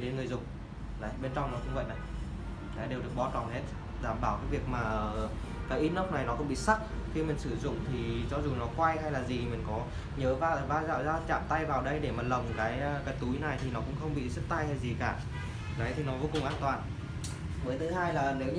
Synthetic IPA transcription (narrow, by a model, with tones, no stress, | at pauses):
ɗe˨˦nŋɨ˨˩əjzʊ̰˨˩ŋ͡m̚ | zə̰˨˦jɓe˧nt͡ɕa˧wŋ͡mnɔ˨˦kʊ̰˧˥wŋ͡mvə̰˧˨jna˨˩j | na̰ː˨˦ɗe˨˩wɗɨ˨˩ək̚ɓɔ˧t͡ɕɔ˨˩nhe˦˥t̚ | ɗaː˧˩mɓaː˧˩wkaː˨˦jvi˨˩ək̚maː˨˩˨ | kaː˨˦jʔi˧nə˦˥k͡p̚na˨˩jnɔ˨˦kʊ̰˧˥ŋ͡mɓḭ˧˨sa˦˥k̚xi˧mï˨˩ŋ̟sɨ˧˩zʊ̰˧˨ŋ͡mt̪ʰi˨˩t͡ɕɔ˧zu˨˩nɔ˨˦kwa˧jɦa˧jlaː˨˩zi˨˩˨mï˨˩ŋ̟kɔ˨˦ | ɲəː˨˦vaː˧˨vaː˧za̰ː˧˨wzaː˧t͡ɕa̰ː˧˨mt̪a˧jvaː˨˩wɗə˧jɗe˧˩maː˨˩lə˨˩wŋ͡mkaː˨˦jkaː˨˦jt̪u˨˦jna˨˩jt̪ʰi˨˩nɔ˨˦kʊ̰˧˥ŋ͡mxə˧wŋ͡mɓḭ˧˨zə˦˥t̚t̪a˧jʰa˧jzi˨˩kaː˧˩ | zə˨˦jt̪ʰi˨˩nɔ˨˦vo˧˦kʊ˨˩ŋ͡mʔaː˧nt̪waː˨˩n | məː˨˦jt̪ʰɨ˨˦ɦaː˧jlaː˨˩ne˨˦w